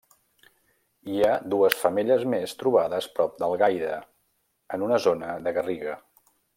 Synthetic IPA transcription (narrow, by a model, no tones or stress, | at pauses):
iad̪uəsfəmeʎəzmest̪ɾuβaðəspɾɔp̚d̪əlˠɣajðə | ənunəzonəðəɣəriɣə